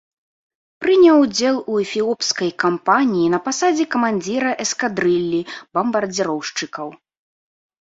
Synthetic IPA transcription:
pɾɨnʲɛwd͡zʲɛlˠuɛfʲilˠɔpskɐjkampanʲijinɐpasad͡zʲɛkɐmanʲd͡zʲiɾɐʔɛskad̪ɾɨlʲːibɐmbɐrd͡zʲiɾɔwʂt͡ʂɨkɐw

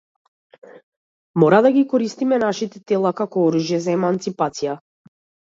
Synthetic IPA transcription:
mɔɾad̪aɡikɔɾist̪imɛnaʃit̪ɛt̪ɛlˠakakɔɔɾuʒjɛzaɛmant̪sipat̪sija

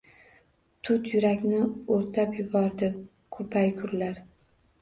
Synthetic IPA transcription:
t̪ʰʊt̪jʊɾakʲnɪoɾt̪ʰapjʊbɒɾd̪ɪ | kʰɵpʰajkʰʊɾlaɾ

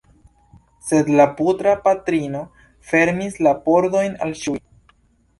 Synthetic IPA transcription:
se̞dlaputɾapatɾino̞ | fe̞ɾmislapo̞ɾdo̞jna̰lʃuj

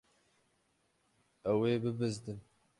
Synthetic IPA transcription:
ɛweːbɨbɨzd̪ɨm

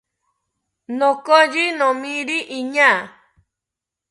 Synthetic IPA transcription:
nɔ̃kɔd͡ʒinɔ̃mĩɾiʔiɲã

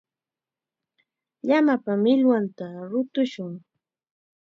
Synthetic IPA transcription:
ʎamapamɪlwant̪aɾʊt̪ʊʃʊŋ

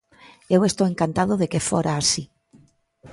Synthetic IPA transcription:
ewe̞st̪oweŋkant̪að̞oðekefoɾaːsi

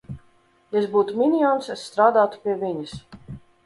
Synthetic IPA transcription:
jɛsbuːt̪umʲinʲijɔːnsɛsːt̪ɾaːd̪aːt̪u̥pʲiɛvʲiɲɪs

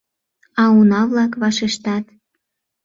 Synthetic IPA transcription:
ɑunɑβlɑkβɑʃeʃt̪ɑt̪

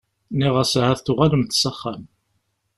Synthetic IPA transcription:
niʁəshæθθʊʁaləmθsəχːæm

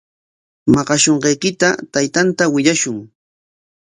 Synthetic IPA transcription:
mɑɢɑʃoɴɢɑjkɪt̪at̪ajt̪ant̪awɪʎaʃʊŋ

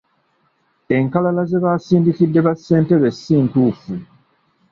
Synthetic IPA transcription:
e̞ŋkalalaze̞βaːsiːndikidːe̞βasːe̞ːnte̞βe̞sːiːntuːfu

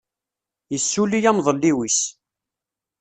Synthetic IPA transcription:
jəsːulijæmðˤəlːiwis

